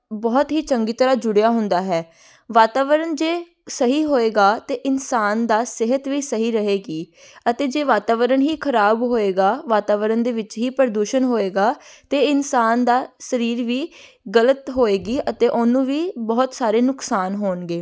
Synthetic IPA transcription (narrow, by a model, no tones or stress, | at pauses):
bɔːt̪ɦiːt͡ʃəŋɡiːt̪əɾaːd͡ʒʊɽejaːɦʊnd̪aːɦɛː | ʋaːt̪aːʋəɾənd͡ʒeː | səɦiːɦoːeːɡaːt̪eːʔɪnsaːnd̪aːsɪɦət̪ʋiːsəɦiːɾəɦeːɡiː | ət̪eːd͡ʒeːʋaːt̪aːʋəɾəɳɦiːkʰəɾaːbɦoːeːɡaːʋaːt̪aːʋəɾənd̪eːʋɪt͡ʃɦiːpəɾd̪uːʃənɦoːeːɡaːt̪eːɪnsaːnd̪aːsəɾiːɾʋiː | ɡələt̪ɦoːeːɡiːʔət̪eːʔʊnũːʋiːbɔːt̪saːɾeːnʊksaːnɦoːɳɡeː